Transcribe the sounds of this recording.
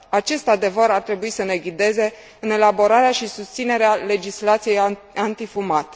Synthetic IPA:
at͡ʃe̞st̪ad̪e̞vəɾart̪ɾe̞buisəne̞ɡʲid̪e̞ze̞ | ɨne̞labo̞ɾaɾeaʃisust̪sine̞ɾeale̞d͡ʒislat̪sije̞j | ant̪ifumat̪e̥

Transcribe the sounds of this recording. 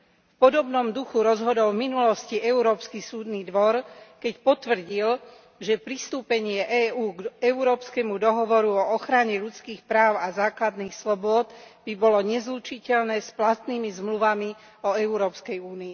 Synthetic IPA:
fpɔd̪ɔbnɔmd̪uxuɾɔzɦɔd̪ɔlvminulɔsciʔɛuɾɔːpskisuːd̪niːd̪ʋɔɾkɛcpɔt̪ʋr̩ɟil | ʒɛpɾist̪uːpɛɲɪɛʔɛːuːɡɛuɾɔːpskɛmud̪ɔɦɔʋɔɾuɔɔxɾaɲɛʎut͡skiːxpɾaːʊazaːklad̪niːxslɔbʊɔd̪b̥ibɔlɔɲɛzlut͡ʃicɛʎnɛːsplat̪niːmizmluʋami | ɔɛʊɾɔːpskɛjuːniː

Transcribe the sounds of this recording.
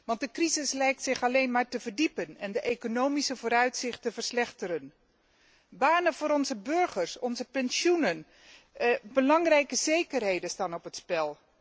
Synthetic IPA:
ʋɑnt̚dəkrizɪslɛjk̚tsɪχɑlejnmaːɹtəvərdipənɛndəʔekonowmisəvoːɾœɥtsɪχtəvəɹslɛχtəɾən | baːnəvʊːɾɔnzəbɵɹχəɹsɔnzəpɛnʃunən | bəlɑŋrɛjkəzejkərɦejdənstaːnɔpɦətspɛlˠ

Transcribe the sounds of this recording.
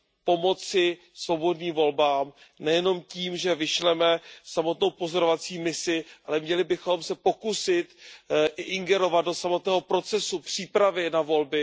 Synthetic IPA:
po̞mo̞t͡sɪ | svo̞bo̞dniːmvo̞lbaːmnɛjɛno̞mciːmʒɛvɪʃlɛmɛsamo̞t̪no̞wpo̞zo̞ɾovat͡siːmɪsɪʔalɛmɲɛlɪbɪxo̞msɛpo̞kusɪt̪ʔɪʔɪŋɡɛɾo̞vat̪̚do̞samo̞t̪nɛːɦo̞pɾo̞t͡sɛsupr̝̥iːpɾavɪnavo̞lbɪ

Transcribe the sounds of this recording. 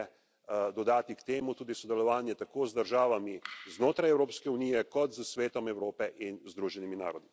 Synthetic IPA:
ɛ | d̪ɔd̪aːt̪ikt̪eːmut̪uːd̪isɔd̪ɛlɔʋaːnjɛt̪akoːzd̪əɾʒaːʋamiznoːt̪ɾajɛwɾoːpskɛunijɛkɔt̪zəsʋeːt̪ɔmɛwɾoːpɛʔinzd̪ɾuːʒɛnimina̰ːɾɔd̪i

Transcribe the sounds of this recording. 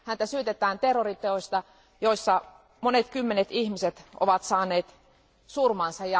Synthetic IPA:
hænt̪æsyøt̪et̪ˑæːnt̪erːorit̪eoist̪ɑ | joisːɑ | monet̪kymːenet̪ihmiset̪o̰ʋɑt̪sɑːneːt̪ | surmɑnsɑjɑ

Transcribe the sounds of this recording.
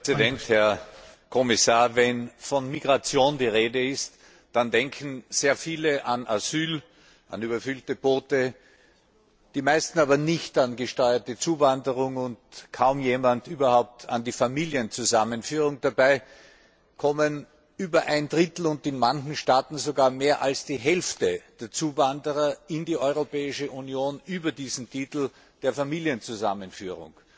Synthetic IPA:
zidɛnthɛɐ | kʰɔmɪsaːɐvɛnfɔnmiɡʁat͡sjoːndiːʁeːdəɪst | d̥andɛŋkʰn̩z̥eːɐfiːləʔanʔaz̥yːl | ʔa̰nyːbɐfʏltəb̥oːtə | d̥iːmaɪstn̩aːβɐnɪçtanɡəʃtɔʏɐtət͡suːvandəʁʊŋʊntkʰaʊmjeːmandyːbɐhaʊp̚tʰa̰ndiːfamiːljənt͡suzamənfyːʁʊŋd̥abaɪ | kʰɔmən | ʔyːbɐʔaɪndʁɪtl̩ʊntɪnmançŋ̩ʃtaːtn̩zoɡaːɐmeːɐʔalsd̥iːɦɛlftəd̥eːɐt͡suːvandəʁɐɪndiːʔɔʏʁopɛːɪʃəʔunjoːnʔyːbɐdiːzn̩tʰiːtl̩ | d̥eːɐfamiːljənt͡suza̰mənfyːʁʊ̰ŋ

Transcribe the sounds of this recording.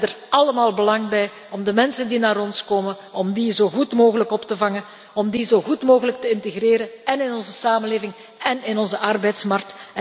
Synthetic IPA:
dərɑləmaːlˠbəlɑŋbɛj | ɔmdəmɛnsəndinaːɾɔnskoːmən | ɔmdizoːɣutmoːɣələkɔptəvɑŋə | ɔmdizoɣutmoːɣələk̚təɪntəɣreːɾənɛnɪnɔnzəsaːmənleːvɪŋ | ɛnɪnɔnzəʔɑrbɛjtsmɑrk̚t

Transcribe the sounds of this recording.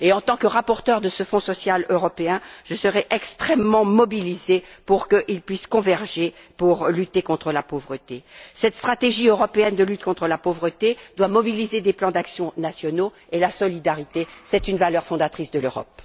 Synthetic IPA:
eɑ̃t̪ɑ̃kəʁapɔʁt̪œʁd̪əsəfɔ̃sɔsjaløʁɔpeɛ̃ʒ̥əsəʁɛʔɛkst̪χɛmːɑ̃mɔbilizepuʁkəʔilpɥiskɔ̃vɛʁʒe | puʁlyt̪ekɔ̃t̪χəlapovʁət̪esɛt̪st̪χat̪eʒiøʁɔpeɛnd̪əlyt̪̚kɔ̃t̪χəlapovʁət̪ed̪wamɔbilized̪eplɑ̃d̪aksjɔ̃nasjɔno | elasɔlid̪aʁit̪esɛt̪ynvalœʁfɔ̃d̪at̪χisd̪əløʁɔ̰p

